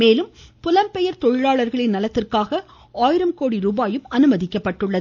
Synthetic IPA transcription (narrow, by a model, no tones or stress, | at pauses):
meːlɯmpʊlɐmpɛjɐɾt̪ɔɻɪɻaːɭɐɾɣɐɭɪnnɐlɐt̪ːɪrkaːɣɐ | aːjɪɾɐmkoːɽiɾuːbaːjɯmɐnɯmɐðɪkːɐpːɐʈːɯɭːɐð